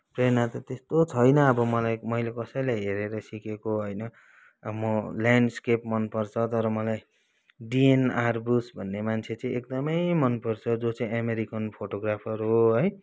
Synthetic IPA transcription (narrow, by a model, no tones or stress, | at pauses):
prenat̪ʌt̪est̪ot͡sʰʌjnʌːbʌmʌlajmʌijlekʌsʌjlajɦeɾeɾʌsikekoɦʌjnʌ | mʌlaɳɖskepmʌnpʌrt͡sʰʌt̪ʌɾʌmʌlaj | ɖienarbusbʱʌnːemant͡sʰet͡sʌĩekd̪ʌmʌjmʌnpʌrt͡sʰʌd͡zot͡sʌĩameɾikʌnpʰoʈoɡrapʰʌruɦoɦʌj